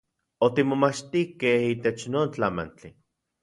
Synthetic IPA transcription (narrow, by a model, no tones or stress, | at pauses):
ot̪imomat͡ʃt̪ihkehiːt̪et͡ʃnoːnt͡ɬama̰nt͡ɬi